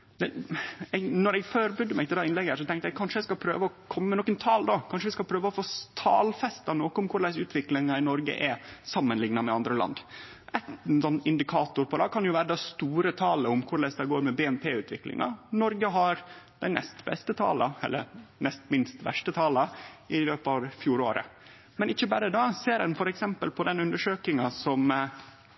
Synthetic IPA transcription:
d̪ɛɛɡnɔɾɛɡføːɾbʏd̪ːəmæɪt̪ʰɪld̪ɛːɪnlɛɡəæʂɔt̪ʰɛŋkt̪əjɛɡkʰɑnʂəɛɪskɑpʰɾø̰ːʋəɔkʰɔmːəmɛnɔkːənt̪ʰɑːld̪okʰɑnʂəʋɪskɑlpʰɾøːʋəɔfoːt̪ʰɑːlfɛst̪ɑnoːkəʊmkʰʊɾlæɪsʉːt̪ʰʋɪklɪŋɑɪnɔɾɡə̰ʔɛsɑmːənlɪŋnɑmɛɑnd̪ɾəlɑ̰nd̪ | ʔɛt̪sɔnːɪnd̪ɪkʰɑːt̪ʊɾpʰɔd̪ɑːkʰɑnjʊʋæːɾəd̪ɑst̪uːɾət̪ʰɑːləʊmkʰʊɾɭæɪsd̪ɛɡoːɾmɛbeːɛnpʰeːʉːt̪ʰʋɪklɪ̰ŋɑ̰nɔɾɡəɦɑɾd̪̥æɪnʔɛ̰st̪bɛ̰st̪ət̪ʰɑ̰ːlɑɛ̰lːə̰ɾnɛst̪mɪnst̪ʋæ̰ʂʈət̪ʰɑːlɑɪløːpɑʋfjuːɾo̰ːɾə̰ | mɛnɪçːəbæːɾəd̪ɑːseːɾɛnfɔɾɛksɛmpəlpʰɔd̪ɛnʉnd̪əʂøːkɪŋɑsɔm

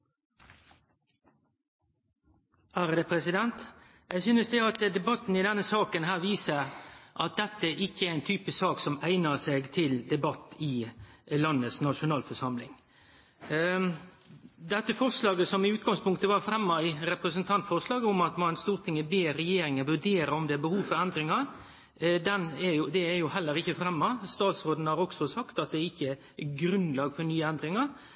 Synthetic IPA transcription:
æːɾd̪ɛpʰɾɛsɪd̪ɛnt̪ | jæɪsyːnəsd̪ɛɑt̪d̪ɛbɑt̪ːn̩ɪd̪ɛnːəsɑːkənɦæːɾʋiːsəʔɑt̪̚d̪ɛt̪ːəʔɪçːəɾæɪnt̪ʰyːpəsɑːksɔmæɪnəseːɡt̪ʰɪld̪ɛbɑt̪ːɪlɑnːəsnɑʂʊnɑːlfɔʂɑmlɪŋ | d̪ɛt̪ːəfɔɾʂlɑːɡəsɔmɪʉːt̪̚ɡɑŋspʰʊŋkt̪əʋɑɾfɾɛmːɑɪɾɛpɾəsənt̪ʰɑnt̪fɔɾʂlɑːɡəʊmɑt̪mɑnst̪uːɾt̪ʰɪŋːəbeːɾɛjeːɾɪŋəʋʉɖeːɾəɔmd̪ɛæbəhuːʋfɔɾɛnd̪ɾɪŋɑɾ | d̪ɛnæɾjʊd̪ɛæɾjʊhɛlːəɾɪçːəfɾɛmːɑst̪ɑːt̪sɾoːd̪n̩əhɑɾɔɡ̥sɔsɑkt̪ɑt̪̚d̪ɛɾɪçːə | ɡɾʉnlɑːɡfɔɾnyːəɛnd̪ɾɪŋɑɾ

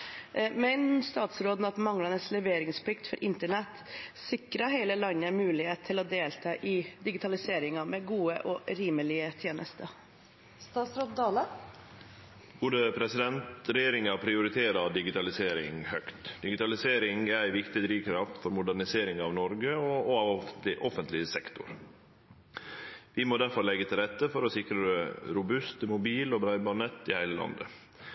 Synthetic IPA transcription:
mɛnst̪ɑːt̪sɾoːd̪n̩ɑt̪mɑŋlɑnəslɛʋeːɾɪŋspʰlɪkt̪fɔɾʔɪnt̪əɳɛt̪ːsɪkɾəɦeɪləlɑnːəæmʉːlɪheːt̪t̪ʰːɪlɔd̪eːlt̪ʰɑːʔɪd̪ɪɡɪt̪ʰɑlɪseːɾɪŋɑmɛɡuːə̰ʔɔɾiːməlɪət̪ʰjeːnʔə̰st̪əɾ | st̪ɑːt̪sɾoːd̪d̪ɑːlə | b̥oːd̪əpʰɾɛsɪd̪ɛnt̪ɾɛjeːɾɪŋɑpʰɾɪʊɾɪt̪ʰeːɾɑd̪ɪɡɪt̪ɑlɪseːɾɪŋhœkt̪d̪ɪɡɪt̪ɑlɪseːɾɪŋæɪʋɪkt̪ɪd̪ɾiːʋkʰɾɑft̪fɔɾmʊd̪æɾɳɪseːɾɪŋɑʋnɔɾɡəɔɔɑʋɔfɪʔɔfənt̪lɪəsɛkt̪ʊ̰ɾ | ʋɪmoːd̪æɾfɔɾlɛɡːət̪ʰɪlɾɛt̪ːəfɔɾɔsɪkɾədɛɾʊbʉst̪mʊbiːlɔbɾɑɪbɑnɛt̪ːɪhæɪləlɑ̰nd̪ə̰

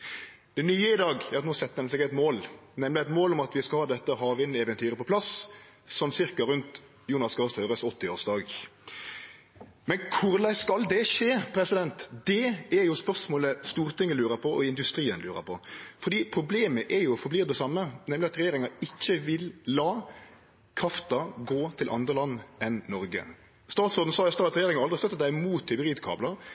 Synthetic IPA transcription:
d̪̥ɛnyːəɪd̪ɑːɡɛɾɑt̪noːsɛt̪ːəɛnsɛɡɛɪt̪moːlnɛmlɪæɪt̪moːlɔmɑt̪ʋɪskɑlhɑːd̪ɛt̪ːəɦɑːʋɪnɛʋɛnt̪ʰyːɾəpɔpʰlɑs | sɔmsɪɾkɑɾʉnt̪ | juːnɑskɑːst̪ʰœːɾəsɔt̪ːɪoːʁsd̪ɑːɡ | mɛnkʰʊɾlæɪskɑld̪ɛʂeːpʰɾɛsɪd̪ɛnt̪d̪ɛæɾjʊspœʁʂmoːləst̪uːʁt̪ʰɪŋːəlʉːɾəpʰɔʔɔɪnd̪ʉst̪ɾiːənlʉːɾə̰pʰɔfɔɾd̪iːpʰɾʊbleːməʔɛɾjʊɔfɔbliːʁd̪ɛsɑmːənɛmlɪɑt̪ɾɛjeːɾɪŋɑɪçːəʋɪlːɑː | kʰɾɑft̪ɑɡoːt̪ʰɪlʔɑ̰nd̪ʁəlɑnːɛnːɔɾɡə̰ | st̪ɑːt̪sɔʁd̪n̩sɑɛst̪ɑːɑt̪ɾɛeːɾɪŋɑɾɑlɾɪst̪œt̪ːət̪æɪmuːt̪ʰːɪbəʁiːd̪kʰɑ̰ːblɑ

